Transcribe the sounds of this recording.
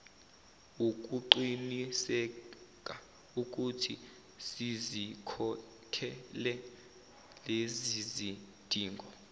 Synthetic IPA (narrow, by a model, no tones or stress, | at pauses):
uk̬ʼuǃinisɛk̬ʼa | uk̬ʼutʰi | sizikʰɔ | kʰɛlɛ | lezizi | d̥ʱiːŋɡʱɔ